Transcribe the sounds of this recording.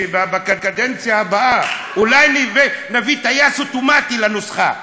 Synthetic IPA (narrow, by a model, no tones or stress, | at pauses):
ibabakakad̪ɛnt͡sjaːbaa | ulajnivenavitajasutumatilanusχa